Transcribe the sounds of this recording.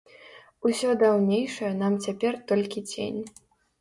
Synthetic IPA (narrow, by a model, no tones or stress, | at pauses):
usʲɔd̪awnʲejʂɐjɐnamt͡sʲapʲɛrt̪ɔlʲkʲit͡sʲḛnʲ